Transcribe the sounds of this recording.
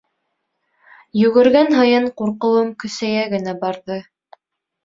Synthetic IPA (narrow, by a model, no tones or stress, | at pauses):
jɵ̆ɡɘ̆ɾɡænɦɤ̆jɤɴquɾqɤ̆wɤmkɵ̆sæjæɡɘ̆næbɑɾðɤ